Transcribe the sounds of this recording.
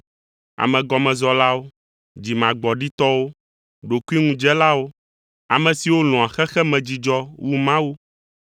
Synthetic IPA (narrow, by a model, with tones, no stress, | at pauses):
a̰˨mɛ̃˨ɡɔ˨mɛ̃˨zɔ˨la˦wo˦ | d͡ʑi˨mã˨ɡ͡bɔ˨ɖi˦t̪ɔ˦wo˦ | ɖo˨ku˦i˦ŋũ˦d͡ʒɛ˦la˦wo˦ | a̰˨mɛ̃˨si˨wo˦lɔ̃˨a˨xɛ˦xɛ˦mɛ̃˨d͡ʑi˨d͡ʒɔ˦wʔu˦mã˦wu˦